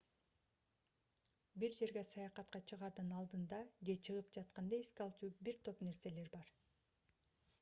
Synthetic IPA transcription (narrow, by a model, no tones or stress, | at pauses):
biɾd͡ʒe̞ɾɡe̞sɑjɑqɑt̪̚qɑt͡ʃʰɯʁɑɾd̪ɯnɑlˠd̪ɯnd̪ɑd͡ʒe̞t͡ʃʰɯʁɯpd͡ʒɑt̪qɑnd̪ɑiskɑlˠt͡ʃuːbiɾt̪ʰo̞pne̞ɾse̞le̞ɾbɑɾ